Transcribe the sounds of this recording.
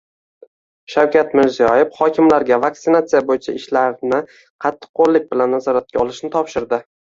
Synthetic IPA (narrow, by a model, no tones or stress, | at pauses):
ʃawkʲat̪mɪɾzijɒjɪfχɒkʲʰɪmlaɾɡʲavak̚t̪ɪnat̪sijabojɪt͡ʃʰaɪʃlaɾnɪ | qʰɑt̪ʰːɨ̥qʰːoɾlːɪk̚ʲbɪlanːazɒɾat̪̚kʲaɒlˠɪʃnɪt̪ʰɒpʃɪɾd̪ɪ